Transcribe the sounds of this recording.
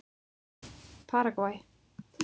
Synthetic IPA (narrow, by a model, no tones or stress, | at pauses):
pʰaɾaɡwaj